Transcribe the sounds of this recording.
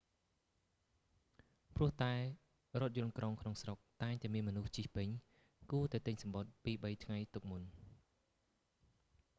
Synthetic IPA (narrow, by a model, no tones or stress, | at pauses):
pr̆əht̪aɛ | rŏət̪̚jʊ̆ənkroŋkʰnoŋsrok̚t̪aɛŋt̪aɛmiənmɔnuht͡ɕihpɨɲ | kuət̪aɛt̪ɨɲsɑmɓot̪̚piːɓəjt̪ʰŋajt̪uk̚mun